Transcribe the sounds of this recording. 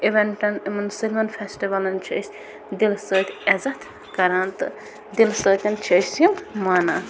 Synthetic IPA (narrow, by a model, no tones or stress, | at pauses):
iʋeɳʈɐnimɐnsilmɐnpʰesʈiʋɐlɐnt͡ʃʰɐ̰s | d̪ilsəːt̪ʲɛzɐt̪ʰ | kɐɾant̪ɨ̰ | d̪ilsəːt̪ʲɐnt͡ʃʰɐsimmaːna